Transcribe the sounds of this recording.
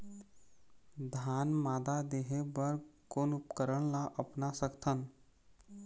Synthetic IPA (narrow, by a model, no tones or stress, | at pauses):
d̪ʱaːnmaːd̪ad̪eːɦebəɾkoːnʊpkəɾəɽ̃laʔəpnasəkt̪ʰən